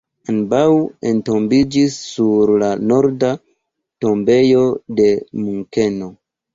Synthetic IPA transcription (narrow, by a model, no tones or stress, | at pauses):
anbawento̞mbid͡ʒisːuɾlano̞ɾda | to̞mbe̞jo̞de̞muŋke̞no